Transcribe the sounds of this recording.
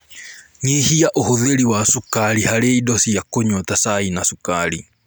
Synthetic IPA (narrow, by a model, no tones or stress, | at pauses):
ŋihiaʔohoðeɾiwasukaɾihaɾeidɔsiakoɲɔtasainasukaɾi